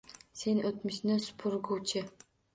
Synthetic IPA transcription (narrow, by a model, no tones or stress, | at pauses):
senot̪mɪʃnɪsʊ̥pʰʊɾɡowt͡ʃʰɪ